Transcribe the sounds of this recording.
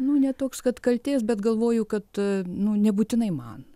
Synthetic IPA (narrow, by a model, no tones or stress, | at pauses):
nʊnʲɛt̪oːkskɐt̪kɐlʲt̪ʲeːsbʲɛt̪ɡɐlˠʋoːjʊkɐt̪nʊnʲɛbuːt̪ʲɪnɐɪmɐ̰n